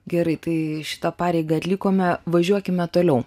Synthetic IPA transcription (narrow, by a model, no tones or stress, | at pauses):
ɡʲɛɾɐɪt̪ɐɪʃʲɪ̥t̪ɐpɑːɾʲɛɪɡɐɐt̪ʲlʲiːkoːmʲɛʋɐʒʲuɔkʲɪmʲɛt̪oːlʲɛʊ